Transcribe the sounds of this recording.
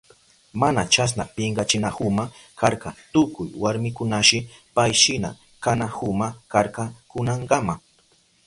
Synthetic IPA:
manat͡ʃas̬napɪɴɢɑt͡ʃɪnahʊmakaɾɢɑt̪ʊkʊjwaɾmɪkʊnaʃɪpajʃɪna̰ | kanahʊmakaɾkɑkʊnaɴɢɑma

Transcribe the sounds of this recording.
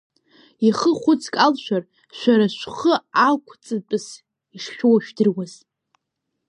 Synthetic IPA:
iχəχʷʊt͡sʰkʼalʃʷᶣar | ʃʷᶣaɾaʃʷχəakʷʰt͡sʼɨt͡pʼɨs | iʂχʲowaʃᶣdɨrwaz̥

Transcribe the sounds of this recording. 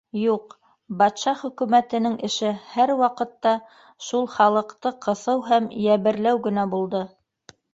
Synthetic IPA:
juq | bɑt̪ʃɑχɵ̆kʉmæt̪ɘ̆nɘŋʔɘ̆ʃɘhæɾwɑqɤ̆t̪ːɑ | ʃulˠχɑlˠɤ̆qt̪ɤqɤ̆θɤwɦæmjæβɘ̆ɾlæwɡɘ̆næbulˠd̪ɤ

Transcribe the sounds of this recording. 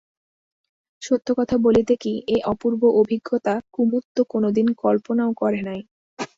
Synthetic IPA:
ʃot̪ʰːokɔt̪ʰabolit̪ekiʔeʔɔpuɾboʔobʱiɡːot̪akumut̪ːokonod̪inkɔlponaokɔɾenaj

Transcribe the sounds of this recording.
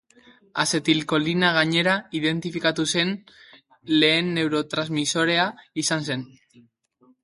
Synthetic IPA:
ase̞t̪ilko̞linaɣaɲe̞ɾaiðe̞nt̪ifikat̪use̞n | le̞ːnːe̞wɾo̞t̪ɾazmiso̞ɾe̞aisanse̞n

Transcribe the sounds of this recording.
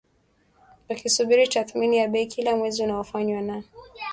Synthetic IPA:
wakisuɓiɾitaθminijaɓɛikʰilamwɛziunaɔfaɲwana

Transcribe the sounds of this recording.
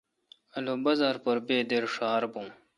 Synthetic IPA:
ɐlobɐzaːɾpɐɾbeːd̪eɾʂaːɾbum

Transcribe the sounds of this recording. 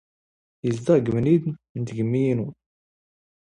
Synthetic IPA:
jəzd̪æɡəmnid̪nt̪ɡəmːijinu

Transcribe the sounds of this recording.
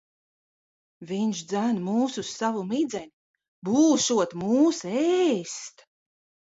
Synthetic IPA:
viɲʃd̪zænmuːsusːavumid̪zɛnʲi | buːʃuɔt̪muːsɛːst̪

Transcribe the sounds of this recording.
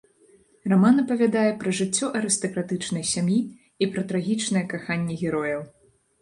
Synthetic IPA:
ramanɐpɐvʲad̪ajɛpɾɐʐɨt͡sʲːɔʔɐɾɨst̪ɐkɾat̪ɨt͡ʂn̪ɐjsʲamji | ipɾɐt̪ɾaɣʲit͡ʂnɨjɛkaxanʲːɛɣʲɛɾɔjɐw

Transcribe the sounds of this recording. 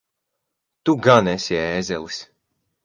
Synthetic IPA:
t̪uɡanɛsiɛːzʲɛlˠis

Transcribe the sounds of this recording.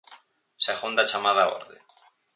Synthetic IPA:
saɣund̪at͡ʃamaðao̰ɾðḛ

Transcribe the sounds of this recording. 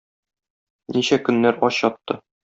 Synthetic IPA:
niɕækɵ̆nːæɾɒɕjɒt̪ːɤ

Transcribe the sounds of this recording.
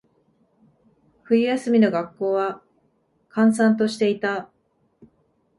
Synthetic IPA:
ɸɯ̟ijasɨmʲino̞ɡakːo̞ːβa | kãɰ̃sãnt̪o̞ɕi̥t̪e̞it̪a

